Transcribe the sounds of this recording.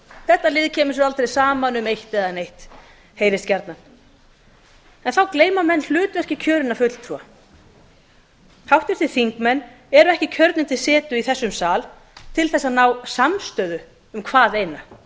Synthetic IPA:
θɛht̪ːalɪːðcʰɛːmʏs̬ɛɾalt̪ɾejsaːmanʏmejht̪ɛðanejht̪ | heːjɾɪst̪cɛɾt̪nan | ɛnθawkleːjmamɛnːl̥ʏːt̪vɛhcɪcʰœːɾɪnafʏt̪l̥t̪ʰɾua | hawht̪vɪɾ̥θɪ̥θiŋkmɛnː | ɛɾʏɛhcɪcʰœɾt̪nɪnt̪ʰɪlsɛːt̪ʏiθɛsːʏmsaːl | t̪ʰɪlθɛsːaðnawsamst̪œːðʏ | ʏmkʰvaːðejna

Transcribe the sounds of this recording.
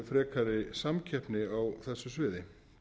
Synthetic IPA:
fɾɛːkʰaɾɪsamcʰɛhpnɪawθɛsːʏsvɛːðɪ

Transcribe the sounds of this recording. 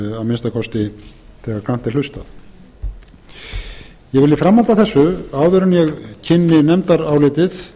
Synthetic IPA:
awmɪnst̪akʰɔst̪ɪθɛːɣaɾkan̥t̪ɛɾ̥l̥ʏst̪a̰θ | jɛɣvɪlːɪfɾamːalt̪aθɛsːʏaːwðɪɾʏnjɛɣcʰɪnːɪnɛmt̪aɾawlɪːt̪ɪθ

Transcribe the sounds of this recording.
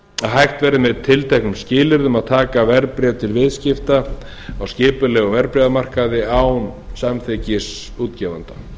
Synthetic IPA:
aɦajxt̪vɛːɾɪmɛðt̪ʰɪlt̪ʰɛhknʏmscɪːlɪɾðʏmaðt̪ʰaːkavɛɾpɾɛvt̪ʰɪlvɪðscɪft̪a | awscɪːpʏlɛɣɔvɛɾpɾɛðamar̥kaðɪaːwnsamθɪcɪs | uːt̪cɛːvant̪ḁ

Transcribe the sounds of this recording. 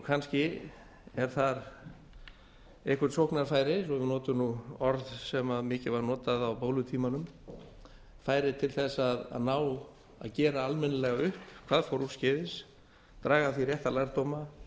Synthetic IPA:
kʰanscɪ | ɛɾ̥θaɾ | ehkʏ̥ɾt̪sowhknaɾfaːjɾɪsɔvɪnɔːt̪ʏnuɔɾðsɛmaðmɪːcɪvaɾnɔːt̪aðawpoːwlʏt̪ʰiːmanʏm | faːjɾɪt̪ʰɪlθɛsaða̰ðnaːw | a̰ðcɛːɾaalmɛnːɪlɛɣaʏhpkʰv̥aːðfowɾu̥scɪːðɪs | t̪ɾaːɣaðθirjɛht̪alajɾt̪ɔːma

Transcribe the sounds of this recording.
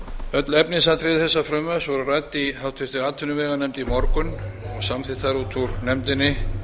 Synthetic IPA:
œt̪lɛpnɪsat̪ʰɾɪðθɛsːafɾœmːœsvɔɾʏrajt̪iawt̪ʰʏft̪ɪɾaːt̪ʰːʏnʏvɛːɣanɛmt̪imɔɾkʏnɔɣsamθɪt̪θaɾut̪ʰuɾnɛmt̪ɪnːɪ

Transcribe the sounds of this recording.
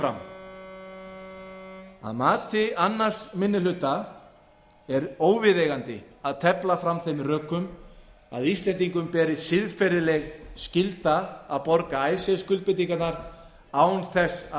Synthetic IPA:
ɾa̰m | a̰ðmaːt̪ɪanːaɾ̥smɪnːɪlʏt̪a | ɛɾoːwvɪðejɣant̪ɪ | aðt̪ʰɛplafɾamθejmrœːkʏm | a̰ðist̪lɛnt̪iŋkʏmpɛːɾɪðsɪðfɛɾɪlɛɣscɪlt̪aːðpɔɾkaaːjsɛskʏlt̪pɪt̪iŋkat̪naɾ̥ | aːwnθɛs

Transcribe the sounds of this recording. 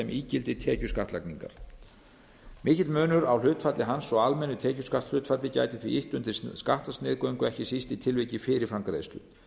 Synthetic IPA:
ɛmʔiːcɪlt̪ɪt̪ʰɛːcʏskaht̪lakniŋka̰ɾ̥ | mɪːhcɪt̪mœːnʏɾawlʏːt̪fat̪lɪɦansɔɣalmɛnːʏt̪ʰɛːcʏskaht̪l̥ʏːt̪fat̪lɪca̰ːjt̪ɪθvɪɾiʔiht̪ʏnt̪ɪɾskaht̪ast̪nɪːðkœwŋkʏɛhcɪsist̪it̪ʰɪlvejcɪfɪɾɪɾ̥fɾamkɾḛːðst̪ʏ̰

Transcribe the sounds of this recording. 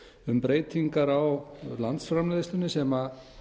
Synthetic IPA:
ʏmpɾeːjt̪iŋkaɾawlant̪sfɾamlɛðɪst̪ʏnːɪsɛma

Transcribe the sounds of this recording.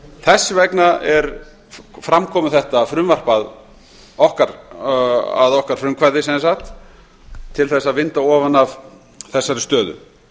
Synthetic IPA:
θɛsːvɛknaɛɾ | fɾamkʰɔːmʏθɛht̪afɾʏmvar̥pað | ɔhkaɾ | a̰ðɔhkaɾ̥fɾʏmkʰvaɾðɪsɛnsaxt̪ʰː | ɪlθɛsːaðvɪnt̪aɔːvanav | θɛsːaɾɪst̪œːðʏ̰

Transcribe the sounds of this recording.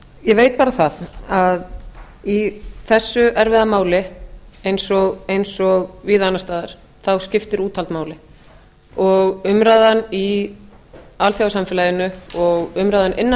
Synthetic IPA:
jɛvejt̪̚paːɾaθaðað | iθɛsːʏʔɛɾvɪðamaːwlɪejnsɔɣejnsɔɣviːðaːnːast̪aːðaɾ̥ | θawscɪft̪ɪɾuːt̪ʰalt̪maːwlɪ | ɔɣʏmɾaːðanːi | alθjawsamfɪlajɪnʏɔɣʏmɾaːðanʔɪnː

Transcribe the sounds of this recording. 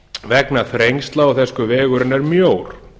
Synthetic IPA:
vɛknaθɾejŋst̪laaθɛskʏvɛːɣʏɾɪnɛɾmjowɾ̥

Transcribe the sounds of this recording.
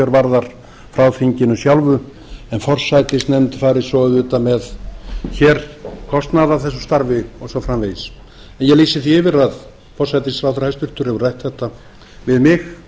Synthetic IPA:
œɾvaɾðaɾ̥ | fɾawfiɲcɪnʏsjawlvʏ | ɛnfɔr̥sajt̪ɪsnɛmt̪ɪ̥faːjɾɪsɔðʏt̪amɛðçɛːɾ̥kʰɔst̪naðaθɛs̬ːʏ̥st̪aɾvɪɔsɔfɾamveːjs | ɛnjɛɣliːsɪθiɪvɪɾað | fɔr̥sajt̪ɪsfɾawθɾahɛst̪ʏɾ̥t̪ʏɾ̥hɛvʏɾrajht̪θɛht̪ːa | vɪðmɪx

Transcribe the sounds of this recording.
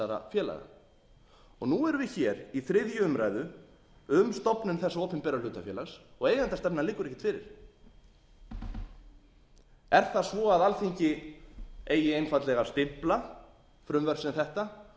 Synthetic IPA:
aɾa̰fjɛːla̰ɣa̰ | ɔɣnuɛɾʏvɪçɛːɾiθɾɪðjʏʏmɾajðʏ | ʏmst̪ɔpnʏmθɛsaɔːpɪmpɛɾalʏːt̪afjɛːlaɣsɔɣeːjɣant̪ast̪ɛpnalɪkːʏɾɛhcɪt̪ʰfɪːɾɪ̰ɾ̥ | ɛɾ̥θaðsvɔːaðalθiɲcɪ | eːjɪejnfat̪lɛɣast̪ɪmpla | fɾʏmvɛr̥sθɛht̪a

